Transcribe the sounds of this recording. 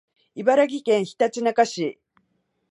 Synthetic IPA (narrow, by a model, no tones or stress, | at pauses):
ibaɾaɡʲikẽ̞ɰ̃çi̥t̪at͡ɕinakaɕi